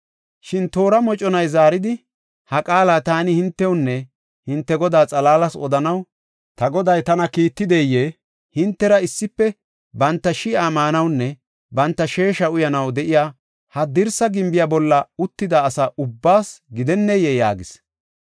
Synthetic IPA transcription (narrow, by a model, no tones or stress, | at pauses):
ʃɪnt̪o̞ːɾɐmɔt͡ʃʼɔnɐjzaːɾɪd̪ɪ | hɐkʼaːlaːt̪aːnɪhɪnt̪ːɛwnːɛ | hɪnt̪ːɛɡɔd̪aːt͡sʼɐlaːlɐsɔ̰d̪ɐnɐw | t̪ɐɡɔd̪ɐjt̪ɐnɐkiːt̪ːɪd̪ɛjːe | hɪnt̪ːɛɾɐɪsːɪpːɛ | bɐnt̪ːɐʃɪamaːnɐwnːɛ | bɐnt̪ːɐʃe̞ːʃɐʊjɐnɐwd̪ɛʔɪjaː | hɐd̪ɪɾsɐɡɪmbɪjabɔlːɐʊt̪ːɪd̪ɐːsɐʔʊbːaːsɡɪd̪ɛnːɛjɛja̰ːɡɪs